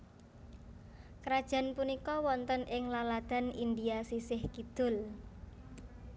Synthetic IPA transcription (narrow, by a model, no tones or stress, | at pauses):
kɾad̥ʒ̥a̤npunikɔwɔnt̪ənʔɪŋlalad̪̥a̤nind̪iasisɪhkid̪̥ʊ̤l